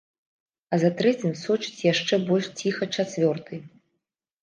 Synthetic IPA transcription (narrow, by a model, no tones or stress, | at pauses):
ɐzat̪ɾɛt͡sʲimʲsɔt͡ʂɨ̥t͡sʲjaʂt͡ʂɛbɔlʲʂt͡sʲixɐt͡ʂat͡sʲvʲɔrt̪ʰɨj